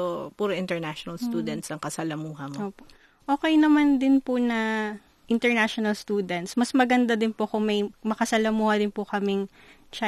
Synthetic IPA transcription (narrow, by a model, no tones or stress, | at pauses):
opuːɾoʔɪnt̪ɛɹnaʃonɐlst̪uːd̪ɛnt̪sɐŋkɐsɐlɐmuːɦɐmoːpoʔ | ʔoːkɛjnɐmand̪ɪnpʊnɐ | ʔɪnt̪ɛɹnaʃonɐlst̪uːd̪ɛnt̪smɐsmɐɡɐnd̪ad̪ɪnpokʊŋmɐjmɐkɐsɐlɐmuːhɐd̪ɪnpʊkɐmɪŋ | t͡ʃa